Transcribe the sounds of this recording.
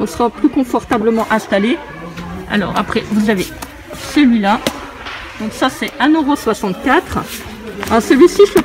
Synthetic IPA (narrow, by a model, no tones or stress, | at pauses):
ɔ̃səʁaplykɔ̃fɔʁt̪abləmɑ̃ʔɛ̃st̪ale | a̰lɔ̰ːʁa̰pχɛvuzave | səlɥila | d̪̥ɔ̃ksasɛanøʁoswasɑ̃t̪kʲat̪χ | ɛ̃səlɥisiʒə